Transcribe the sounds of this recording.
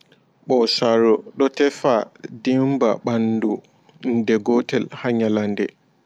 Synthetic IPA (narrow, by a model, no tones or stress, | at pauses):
ɓɔsaɾɔɗɔtɛfadimba̰ɓandu | ndɛɡɔtɛlhaɲalandɛ̰